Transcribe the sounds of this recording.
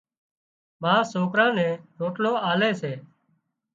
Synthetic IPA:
mãːsoːkɾãːnɛ̃ːɾoːʈloːaːleːseː

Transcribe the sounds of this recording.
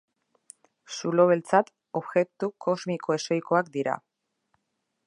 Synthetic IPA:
sulo̞βe̞lt͡sat̪ | o̞βɣe̞k̚t̪uko̞zmiko̞e̞so̞jko̞akd̪iɾa̰

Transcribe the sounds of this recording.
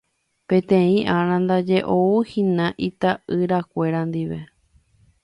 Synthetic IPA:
pẽ̞t̪ẽĩʔaɾ̃ãnd̪ad͡ʒe̞ʔouhĩnãʔit̪aɨɾakʷe̞ɾand̪iʋe̞̰

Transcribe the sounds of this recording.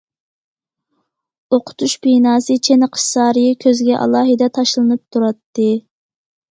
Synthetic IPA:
oqʰʊ̥t̪ʰuʃbinɑːsɨt͡ʃʰenqʰə̥ʃsɑːɾɨjikʲʰøzɡʲɛʔɑ̰lˠɑːɦɨd̪ɛt̪ʰɑʃlˠɨnɨp̚t̪ʰuɾɑt̪ːɨ

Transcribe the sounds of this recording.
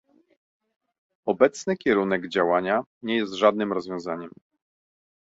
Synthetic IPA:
ɔbɛt̪snɘkʲɛɾunɛɡd͡ʑawaɲaɲɛjɛst̪ʐad̪nɘmɾɔzvʲjɔ̃w̃zaɲɛm

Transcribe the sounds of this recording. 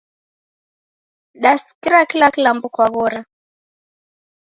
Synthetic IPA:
ɗaskiɾakilakilambukwaɣɔɾa

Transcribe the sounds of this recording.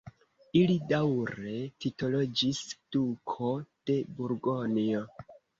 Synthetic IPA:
ilidawɾe̞tito̞lo̞d͡ʒisd̥ukʰo̞d̥e̞buɾɡonio

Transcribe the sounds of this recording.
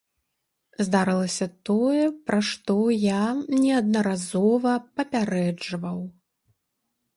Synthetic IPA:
zd̪aɾɨlˠɐsʲɐt̪ɔjɛpɾʔaʂt̪ɔjanʲɛɐd̪nɐɾazɔvɐpɐpʲaɾɛd͡ʐvɐw

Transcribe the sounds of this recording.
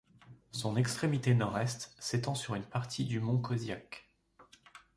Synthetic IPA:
sɔ̃nɛkst̪χemit̪enɔʁɛst̪set̪ɑ̃syʁynpaʁt̪ʰid̪ymɔ̃kɔzjak

